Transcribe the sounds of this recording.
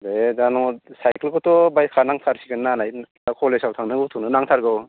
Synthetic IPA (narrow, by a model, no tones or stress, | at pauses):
dedanɔsajkelkɔtɔbaj̚kʰanaŋtʰaɾsikɯnnanaj | akʰɔlesawtʰaŋnɯɡɯwtʰuŋnɯnaŋtʰaɾɡaw